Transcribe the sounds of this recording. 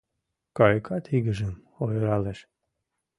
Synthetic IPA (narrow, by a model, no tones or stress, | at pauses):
kɑjkʰɑt̪ʰiɣəʒəm | ojɾɑleʃ